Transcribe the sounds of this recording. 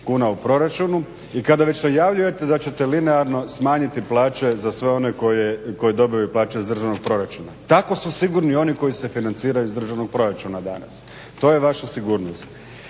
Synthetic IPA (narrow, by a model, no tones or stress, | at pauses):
kuːnaupɾo̞ɾat͡ʃunu | ikad̪aʋe̞t͡ɕnejaʋʎuje̞t̪e̞d̪at͡ɕe̞t̪e̞lineaɾno̞smaːɲit̪iplˠaːt͡ʃe̞zasʋe̞o̞ne̞ko̞jeko̞jed̪o̞bijjuplˠaːt͡ʃeizd̪ɾr̩ʒaʋno̞ɡ̚pɾo̞ɾat͡ʃunat̪ako̞susiɡuɾnio̞niko̞jise̞finant̪siːɾajuizd̪r̩ʒaʋno̞ɡ̚pɾo̞ɾat͡ʃunad̪a̰na̰s | t̪o̞jeʋaʃasiɡuːɾnost̪